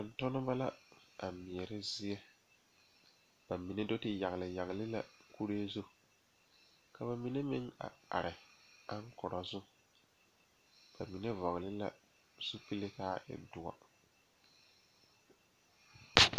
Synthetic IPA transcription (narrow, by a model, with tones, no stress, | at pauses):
tʊ˨n˨tʊ˦nʊ˦ba˦la˦a˨mɪ˨ɛ˨ɾɪ˦zɪ˦ɛ˦ | b̥a˨mi˨ne˦do˦tɪ˦ja˨ɣɪ˨lɪ˨ja˨ɣɪ˨lɪ˦la̰˦ku˦ɾe˦zu˦ | ka˨ba˨mi˦ne˦mɪ˦ŋa̰˨a̰˨ɾɪ˨a˦ŋ˦kʊ˨ɾɔ˨zʊ˦ | b̥a˨mi˨ne˦vɔ˨ɣlɪ˦la̰˦ | su˦pi˦lɪ˦kaː˦ɪ̰˦dʊ˨wa̰˨